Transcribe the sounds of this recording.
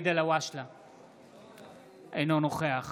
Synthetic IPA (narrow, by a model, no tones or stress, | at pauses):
d̪elawaʃla | ejnonoχeaχ